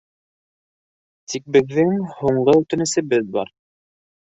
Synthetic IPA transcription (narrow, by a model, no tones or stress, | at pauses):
t̪ʰik̚bɘ̆ðːɘŋhuɴɢɤʉt̪ɘ̆nɘ̆sɘ̆bɘðbɑ̰ɾ